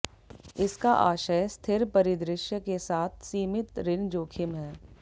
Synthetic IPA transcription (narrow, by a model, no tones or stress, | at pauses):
ɪskaʔaːʃəjst̪ʰɪɾpɐɾɪd̪ɾɪʃjəkesaːt̪ʰsiːmɪt̪ɾɪnd͡ʒoːkʰɪmɦɛː